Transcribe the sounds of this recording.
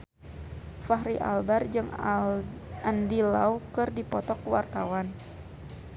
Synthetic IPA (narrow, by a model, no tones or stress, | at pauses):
faɦɾiʔa̰lbard͡ʒɨŋ | andilawkɨrdipɔt̪ɔkwart̪awan